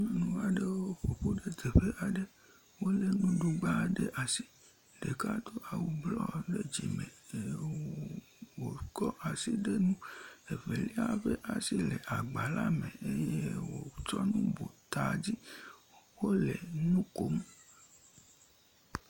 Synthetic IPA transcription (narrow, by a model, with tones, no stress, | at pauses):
nũ˦a˨ɖe˦wo˦ɸo˨ɸo˦ɖe˦d̪e˨ɸe˦ʔa˨ɖe˦ | wo˦le˨nũ˦ɖu˦ɡ͡ba˦˨ɖe˦ʔa˨si˦ | ɖe˨ka˦t̪o˦a˨wu˦blɔ˦ɖe˦d͡ʑḭ˨mḛ̃˨˦ | wo˨kɔ˦ʔa˨si˦ɖe˦nũ˦e˨ve˨li˦a˦˨ɸe˦ʔa˨si˦le˨ʔa˨ɡ͡ba˨la˦mẽ˨e˦je˦wo˨t͡ʃɔ˦nũ˦bo˨t̪a˨d͡ʑi˦ | wo˦le˨nũ˦ko˦m˦